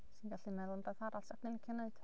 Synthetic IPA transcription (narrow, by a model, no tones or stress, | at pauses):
sinɡaɬimɛðˠʊnd̪aθaɾalsaknɪnkʰɪnaɨd̪̥